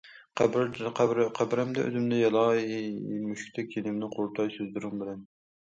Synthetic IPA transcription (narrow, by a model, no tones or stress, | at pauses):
qqɾqʰæbɾɛmd̪ɛʔø̰zɪmd̪ɛjɑlˠɑ | myʃkʲt̪ʰɛkʲʰenɪmnɪqʰoɾt̪ʰɑjsøzd̪yɾyŋbɪlɛn